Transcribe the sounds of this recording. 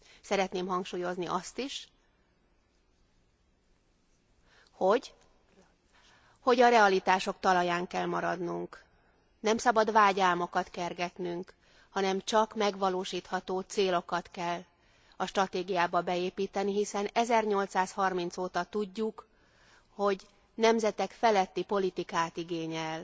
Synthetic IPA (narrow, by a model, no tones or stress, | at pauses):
sɛɾɛt̪neːmɦɒŋkʃuːjo̞zniʔɒst̪iʃ | ho̞ɟ | ho̞ɟɒɾɛɒlit̪aːʃo̞kt̪ɒlɒjaːŋkɛlmɒɾɒd̪nuŋk | nɛmsɒbɒd̪ʋaːɟaːlmo̞kɒt̪kɛrɡɛt̪nyŋk | hɒnɛmt͡ʃɒkmɛɡʋɒloːʃiːt̪hɒt̪oːt̪seːlo̞kɒt̪kɛl | ɒʃt̪rɒt̪eːɡijaːbɒbɛeːpiːt̪ɛniɦisɛnɛzɛrɲo̞lt̪saːshɒrmin̪t̪soːt̪ɒt̪uɟːuk | ho̞ɟ | nɛmzɛt̪ɛkfɛlɛt̪ːipo̞lit̪ikaːt̪iɡeːɲɛl